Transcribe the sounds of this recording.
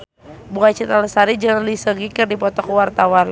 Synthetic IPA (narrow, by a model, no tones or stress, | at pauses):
buat͡ʃit̪aləsaɾid͡ʒəŋlisəɡikərdipɔt̪ɔkuwart̪awan